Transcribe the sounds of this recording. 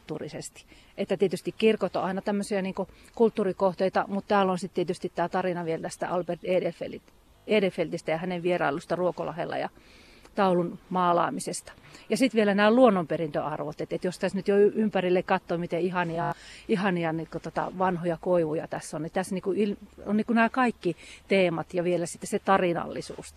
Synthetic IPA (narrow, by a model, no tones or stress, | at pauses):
t̪ːuːrisest̪i̥ | ʔet̪ːæt̪iet̪yst̪ikkirkot̪o̰ɑinɑt̪æmːøsiæniːŋko | kult̪ːuːrikoht̪eit̪ɑ̰mut̪t̪æːlonsit̪t̪iet̪yst̪it̪t̪æːt̪ɑrinɑʋielt̪æst̪æ̰ɑlperd̪eːdelfḛlit̪ | eːdelfelt̪ist̪æjɑhæneʋʋierɑ̰ilːust̪ɑruokolɑ̰hḛlːɑ̰jɑ̰ | t̪ɑulunmɑːlɑ̰ːmisest̪ɑ̥jɑsit̪ʋielænæːluonːomperint̪øɑrʋot̪et̪et̪jost̪æsnyt̪joyympærilːekkɑt̪ːoːmit̪eihɑniɑihɑniɑnikot̪ot̪ɑ̰ʋɑnhojɑkoiʋujɑt̪æsːonnit̪æsniːkuilonniːkunæːkɑikːit̪eːmɑt̪jɑʋielæsi̥t̪ːeset̪ɑrinɑ̰lːisṵːs